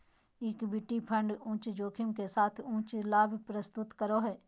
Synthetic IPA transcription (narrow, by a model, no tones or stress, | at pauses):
ɪkbɪʈːipʰə̃ɳɖũːt͡ʃd͡ʒoːkʰɪmkesaːt̪ʰũːt͡ʃlaːbʱpɾəst̪ʊt̪kəɾoɦɛː